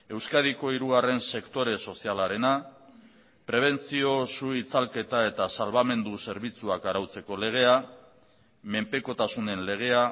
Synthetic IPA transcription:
e̞wskað̞iko̞iɾuɣare̞nse̞kt̪o̞ɾe̞so̞sialaɾe̞na | pɾe̞β̞e̞nt͡sio̞suit͡salke̞t̪ae̞t̪asalβame̞nd̪use̞ɾβ̞it͡suakaɾawt͡se̞ko̞le̞ɣ̞e̞a | me̞mpe̞ko̞t̪asune̞nle̞ɣ̞e̞a

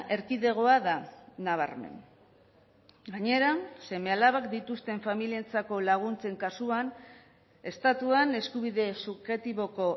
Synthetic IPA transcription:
ʔe̞ɾkiðe̞ɣ̞o̞aðanaβ̞a̰ɾme̞̰n | ɡaɲe̞ɾase̞me̞alaβakd̪it̪ust̪e̞ɱfamilient͡sako̞laɣ̞unt͡se̞ŋkasuan | e̞st̪at̪uane̞skuβiðe̞suxe̞t̪iβo̞ko̞

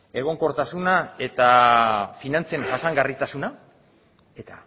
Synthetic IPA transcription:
e̞ɣ̞o̞ŋko̞ɾt̪asunae̞t̪afinant͡senʝasaŋɡarit̪asuna | e̞t̪a

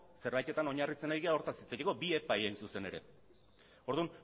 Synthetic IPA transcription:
se̞ɾβajt̪e̞t̪ano̞ɲarit͡se̞najɣiaoɾt̪asit͡sajeko̞bie̞pajejnsuse̞ne̞ɾe̞̰ | o̞ɾðun

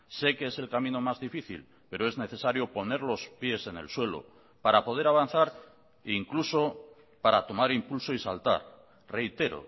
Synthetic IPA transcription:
se̞keese̞lkamĩno̞mazðifiθḭl | pe̞ɾo̞e̞zne̞θe̞saɾjo̞po̞ne̞ɾlo̞spje̞se̞ne̞̰lswe̞lo̰ | paɾapo̞ð̞e̞ɾaβan̟θaɾ | iŋkluso̞ | paɾat̪o̞maɾimpulso̞isa̰lt̪a̰ɾ | re̞jt̪e̞ɾo̰

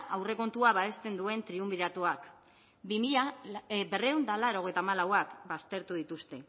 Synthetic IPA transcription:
ʔawre̞ko̞nt̪uaβaest̪e̞nd̪ue̞nt̪ɾiumbiɾat̪uak | bimiʎabe̞reund̪alaɾo̞ɣ̞ejt̪amalawakbast̪e̞ɾt̪uðit̪ust̪e̞

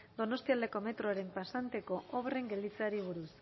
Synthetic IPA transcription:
d̪o̞no̞st̪iald̪e̞ko̞me̞t̪ɾoaɾe̞mpasant̪e̞ko̞oβre̞ŋɡe̞ld̪it͡saɾiβ̞uɾus

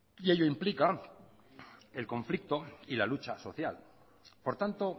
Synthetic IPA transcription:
ie̞ʎoimplika | e̞lko̞ɱflik̚t̪o̞ilalut͡ʃaso̞θjal | po̞ɾt̪ant̪o̞

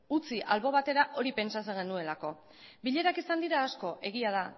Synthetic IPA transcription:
ut͡siʔalβo̞β̞at̪e̞ɾaʔo̞ɾipe̞nsat͡se̞ŋɡe̞nue̞lako̞ | biʎe̞ɾakisand̪iɾaːsko̞ʔe̞ɣ̞iað̞a

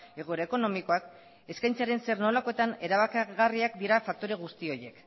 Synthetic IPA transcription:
e̞ɣ̞oeɾaeko̞no̞miko̞ak | e̞skajnt͡saɾe̞nse̞rno̞lako̞e̞t̪ane̞ɾaβakeɣariakd̪iɾafak̚t̪o̞ɾe̞ɣ̞ust̪io̞je̞k

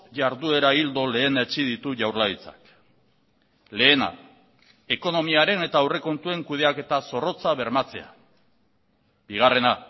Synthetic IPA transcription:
ʝaɾðue̞ɾaild̪o̞le̞ːnet͡ʃiðit̪uʝawɾlait͡sḁ̰k | le̞ːna̰ | e̞ko̞no̞miaɾe̞ne̞t̪aːwre̞ko̞nt̪ue̞ŋkuð̞e̞ake̞t̪aso̞ro̞t͡saβe̞ɾmat͡se̞a | b̥iɣ̞are̞na

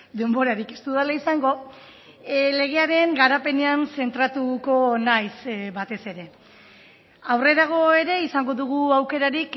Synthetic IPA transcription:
d̪e̞mbo̞ɾaɾike̞st̪uðalaisaŋɡo̞ | le̞ɣ̞e̞aɾe̞ŋɡaɾape̞ne̞anse̞nt̪ɾat̪uko̞najsβat̪e̞se̞ɾe̞ | awre̞ɾaɣ̞o̞e̞ɾe̞isaŋɡo̞ðuɣ̞uawke̞ɾaɾik

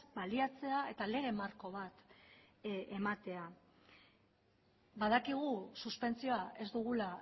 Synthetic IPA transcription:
baliat͡se̞ae̞t̪ale̞ɣ̞e̞maɾko̞β̞at̪ | emat̪e̞a | baðakiɣ̞ususpe̞nt͡sio̞ae̞zd̪uɣ̞ula

